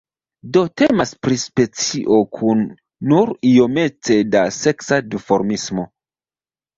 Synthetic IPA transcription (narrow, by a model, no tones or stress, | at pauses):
do̞te̞maspɾispe̞t͡siʔo̞kʰunː | uɾio̞me̞t͡se̞dase̞ksadifo̞ɾmismo̞